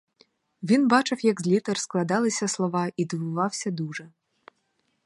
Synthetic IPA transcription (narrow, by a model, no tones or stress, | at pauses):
vʲinbat͡ʂɐwjɐɡzʲlʲit̪ɛrsklˠad̪alˠɨsʲɐslˠɔvaid̪ɨvuvawsʲɐd̪uʐɐ